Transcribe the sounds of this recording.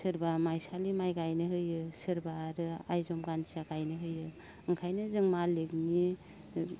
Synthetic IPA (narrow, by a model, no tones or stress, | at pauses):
sɯɾbamajsalimajɡajnɯɦɯjɯsɯɾbaɾɯajzɔmɡansaɡajnɯɦɯjɯ | ɯŋkʰajnɯzɯŋmalek̚ni